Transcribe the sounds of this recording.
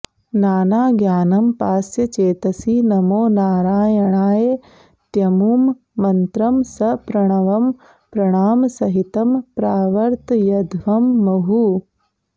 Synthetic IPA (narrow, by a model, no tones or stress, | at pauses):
naːnaːɡjaːnɐmpaːsjɐt͡ʃeːt̪ɐsinɐmoːnaːɾaːjɐɳaːje | t̪jɐmuːmː | ɐnt̪ɾɐmsɐpɾɐɳ̃ɐʋɐm | pɾɐɳ̃aːmɐsɐɦit̪ɐmpɾaːʋɐɾt̪jɐd̪ʱʋɐmːɐɦu